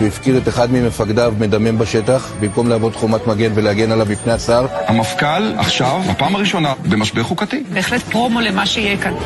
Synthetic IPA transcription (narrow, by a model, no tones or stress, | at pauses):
veifkidet̪eχad̪mimefaɡd̪avme̞d̪ame̞nbaʃe̞t̪aχbimko̞mleavodt̪χomat̪maɡe̞nve̞lehaɡe̞nalavmipnejat͡savhamafkala̰χʃavapaːmaʁiʃo̞nabemaʃbeχukat̪ibeːχlet̪pʁo̞mo̞le̞maʃeijekan